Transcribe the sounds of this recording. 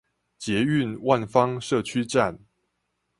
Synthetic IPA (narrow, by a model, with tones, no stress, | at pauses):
t͡ɕjɛ˨˦y˥˨nwa˥˨nfɑ˦ŋʂɤ˥˨t͡ɕʰy˦ʈ͡ʂa˥˨n